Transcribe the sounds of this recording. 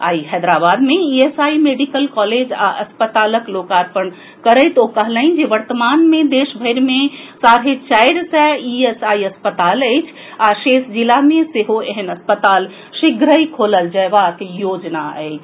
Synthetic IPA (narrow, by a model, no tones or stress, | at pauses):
a̰ixɛd̪ɾabad̪meiesaimeɖikəlkɔled͡ʒa̰ʔəspət̪aləklokaɾpəɳ | kəɾəɪt̪okəɦləɦĩnd͡ʒeʋəɾt̪əmanmẽd̪eʃbʱəɪɾmesaɾɦet͡ʃaɪɽsɛiesaiəspət̪aləɪt͡ʃʰ | aʃesd͡ʒilameseɦoeɦənəspət̪al | ʃiɡɾəikʰoləld͡ʒəʋakjod͡ʒnaə̰ɪ